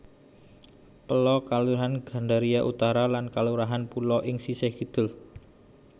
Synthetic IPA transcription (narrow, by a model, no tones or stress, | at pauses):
pəlɔkaluɾaɦanɡ̥a̤ɳɖaɾijaʔut̪aɾalankaluɾaɦanpulɔʔɪŋsiseɡi̤d̪̥ʊ̤l